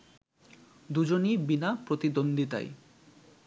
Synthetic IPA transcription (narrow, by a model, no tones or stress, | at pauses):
d̪ud͡ʑonibinapɾot̪id̪ond̪ʱit̪a̰j